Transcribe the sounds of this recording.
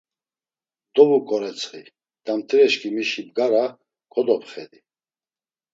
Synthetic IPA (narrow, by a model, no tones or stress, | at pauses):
d̪ɔbukʼɔɾɛt͡sʰʼχi | d̪̥amt̪ʰɾɛʃkʼimiʃibɡaɾa | kʰɔd̪ɔpχɛd̪i